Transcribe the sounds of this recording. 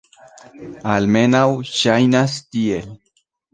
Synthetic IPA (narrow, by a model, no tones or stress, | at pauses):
almenawʃajnast̪iel